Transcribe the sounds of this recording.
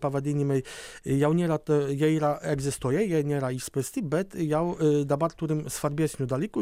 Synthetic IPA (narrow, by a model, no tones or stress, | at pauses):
pavad̪ʲinʲimɛjjawɲɛɾat̪ɔjɛjɾaɛɡzɘst̪ujɛjɛɲʲɛɾaispɘsʲt̪ʲibɛt̪jawd̪abaɾt̪uɾɘmsfaɾbʲjɛzʲɲʲud̪alʲiku